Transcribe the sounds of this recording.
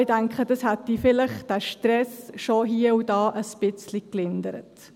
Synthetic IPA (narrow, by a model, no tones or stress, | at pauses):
ɪdæŋkχəd̥ɑshɛtːifɪləχd̥æʃtɾɛsʃoɦiːəudɑːʔəspɪt͡sliklɪnd̪əɾə̰t